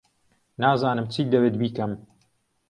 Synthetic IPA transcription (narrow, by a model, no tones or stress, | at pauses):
naːzaːnɨmt͡sʰiːd̪ɐbet̪̚biːkɐm